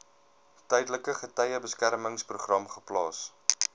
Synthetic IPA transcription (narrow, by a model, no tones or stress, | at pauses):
tœjdələkəχətɛjəbəskærməŋspruχrɐmχəplɑːs